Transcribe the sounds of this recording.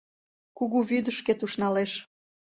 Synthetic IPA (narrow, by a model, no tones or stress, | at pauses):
kuɣuβyd̪əʃket̪uʃnɑleʃ